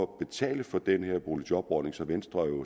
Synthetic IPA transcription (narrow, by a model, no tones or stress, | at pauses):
ɒ̽b̥e̝t͡sʰɛ̰ːləfɒ̽d̥enheɐ̰b̥ʁolə̥ɒ̽b̥ɒːne̝ŋsɒ̽ʋensd̥ʁɐæɐjo̝